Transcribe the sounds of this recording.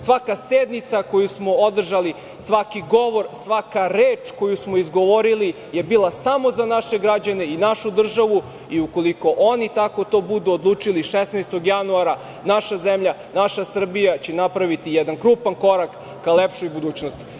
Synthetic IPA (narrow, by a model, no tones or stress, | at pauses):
sʋakased̪nit̪sako̞jusmo̞od̪r̩ʒali | sʋakiɡo̞ʋo̞ɾsʋakaɾeːt͡ʃko̞jusmoizɡo̞ʋo̞ɾili | je̞bilˠasamo̞zanaʃe̞ɡɾad͡ʑane̞inaʃud̪r̩ʒaʋu | iuko̞liko̞ʔo̞nit̪ako̞t̪o̞ːbud̪uod̪lˠuːt͡ʂiliʃesnast̪oɡjanuaɾa | naʃazemʎanaʃasr̩bijat͡ɕenapɾaʋit̪ijɛd̪ankɾuːpanko̞ɾakː | alepʃojbud̪uːt͡ɕnost̪i̥